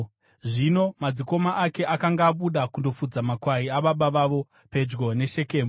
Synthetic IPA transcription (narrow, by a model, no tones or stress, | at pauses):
ʐino̞mad͡ziko̞maʔake̞ʔakaŋɡaːɓuɗakundo̞fud͡zamakwaɾiaɓaɓaʋaʋo̞ | pe̞d͡ʒɡo̞ne̞ʃe̞ke̞ːmbo